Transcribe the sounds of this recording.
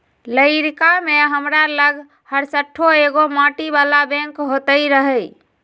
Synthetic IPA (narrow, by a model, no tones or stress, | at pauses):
ləɪɾkameɦəmɾaləɡʱ | həɾsəʈʰːoeɡomaʈibalabẽŋkɦot̪əjɾəɦəj